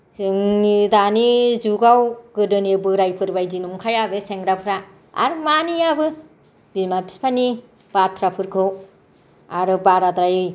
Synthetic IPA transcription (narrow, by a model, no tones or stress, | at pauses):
ɯŋnidanizuɡawɡɯdɯnebɯɾajpʰɯɾbajdinumkʰajabeseŋɾapʰɯɾa | a̰ɾɯmanijabɯ | b̥imapʰi̥spʰani | b̥aɾtʰɾapʰɯɾkʰɯw | aɾɯbaɾadɾajɯj